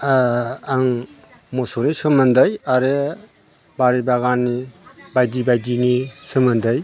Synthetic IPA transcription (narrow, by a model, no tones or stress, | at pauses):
aŋ | mɔsonisɯmɯndɯjaɾe | baɾibaɡanːibajdibajdinisɯmɯndɯj